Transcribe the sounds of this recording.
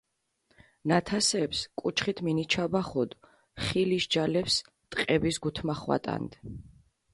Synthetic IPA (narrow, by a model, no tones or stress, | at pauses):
nat̪ʰasɛpskʼut͡ʃʰχit̪ʰminit͡ʃʰabaχɔd̪ | χiliʃd͡ʒalɛps | t̪ʼqʼɛbisɡut̪ʰmaχwa̰t̪ʼa̰nd̪̥